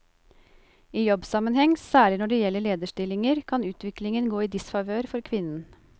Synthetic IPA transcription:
iːjɔbsɑmənhɛŋsæːɭɪnɔɖɛːjɛlːəɭeːd̪əʂʈɪlɪŋəɾkʰɑnʉːt̪ʰʋɪklɪŋənɡoːiːd̪ɪsfɑʋøːɾfɔɾkʰʋɪnːn̩

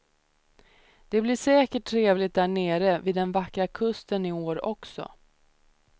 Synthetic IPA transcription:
d̪̥ɛblɪʂɛːkəʈʰːɾeːvlɪt̪̚d̪æːɳeːɾəvid̪ɛnvakɾakʰɵst̪ənɪoːɾɔksɔ̰

